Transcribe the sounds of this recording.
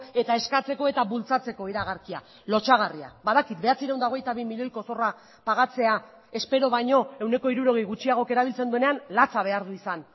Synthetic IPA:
e̞t̪ae̞skat͡se̞ko̞e̞t̪aβult͡sat͡se̞ko̞iɾaɣ̞aɾkia̰ | lo̞t͡ʃaɣ̞aria̰baðakit̪be̞at͡siɾewnd̪ao̞ɣ̞e̞jt̪aβimiʎo̞jko̞so̞ra | paɣat͡se̞a | e̞spe̞ɾo̞βajɲo̞e̞wne̞ko̞iɾuɾo̞ɣ̞ejɣut͡ʃiaɣ̞o̞ke̞ɾaβ̞ilt͡se̞nd̪ue̞ne̞anlat͡saβ̞e̞aɾðuisan

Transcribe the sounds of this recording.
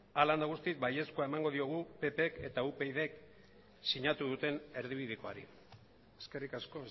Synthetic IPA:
aland̪aɣ̞ust̪ik̚baje̞skoaemaŋɡo̞ð̞io̞ɣ̞upe̞pe̞ke̞t̪aupe̞jðe̞k | siɲat̪uðut̪e̞ne̞ɾðiβ̞iðiko̞a̰ɾḭ | eske̞rikasko̞

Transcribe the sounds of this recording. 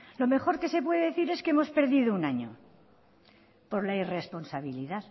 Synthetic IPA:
lo̞me̞xo̞ɾke̞se̞pwe̞ðeðeθiɾe̞skeemo̞spe̞ɾðiðounaɲo̞̰ | po̞ɾlaire̞spo̞nsaβ̞iliðað

